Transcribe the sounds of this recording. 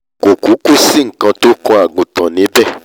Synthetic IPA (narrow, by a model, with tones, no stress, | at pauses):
ko˨ku˨˦ku˦si˦˨ŋ̩˨kã˧to˦kɔ̃˧˦a˨ɡũ˨tɔ̃˨nĩ˨˦bɛ˦˨